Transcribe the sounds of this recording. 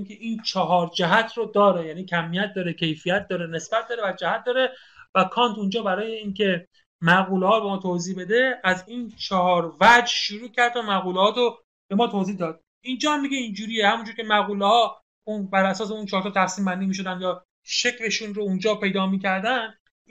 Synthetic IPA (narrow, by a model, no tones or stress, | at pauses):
nkʲʰeʔiːnt͡ʃʰɒɦɒːɾd͡ʒæɦæt̪ʰɾod̪ɒːɾejæniːcʰæmːijæt̪̚d̪ɒːɾecʰe̞jfijæt̪̚ʰd̪ɒːɾene̞sb̥æt̪̚d̪ɒːɾevæd͡ʒæhæt̪̚ʰd̪ɒːɾe | vækʰɒːnt̪ʰund͡ʒɒːbæɾɒːje̞iːncʰe̞ | mæɣuːlehɒːɾbemɒːt̪ʰoziːbe̞d̪e̞æzint͡ʃʰɒhɒːɾvæd͡ʒʃuɾuːcʰæɾd̪omæɣuːlhɒːt̪o | b̥e̞mɒːt̪ʰoziːhd̪ɒːd̪̥̚ | ind͡ʒɒːmmiɡeind͡ʒuːɾijehæmund͡ʒuɾcʲʰe̞mæɣuːlehɒː | unbæɾʔæsɒːseunt͡ʃʰɒːɾt̪ʰɔt̪ʰæfsiːmbænd̪iːmiːʃ̬o̞d̪ænd̪jɒː | ʃe̞kʲle̞ʃunɾound͡ʒɒːpʰe̞jd̪ɒːmiːcʰæɾd̪æn